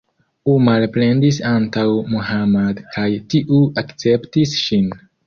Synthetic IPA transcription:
umalple̞ndisantawmuɦamadkʰajtiʔuakt͡se̞ptisʃin

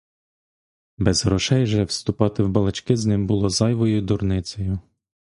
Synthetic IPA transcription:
bɛzɦɾɔʃɛjʒɛwst̪ʊpɑt̪ɪwbɐlˠɐt͡ʃkɪznɪmbʊlˠɔzɑjʋɔjʊd̪ʊɾnɪsʲɔjʊ

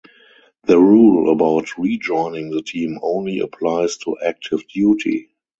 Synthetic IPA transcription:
ðəɹuːləbaʊtʰɹid͡ʒɔ̃ɪ̃nɪ̃ŋðətʰĩːmõʊ̃nliə̰pʰlaɪstʰuʔæk̚tʰɪvdjuːtʰḭ

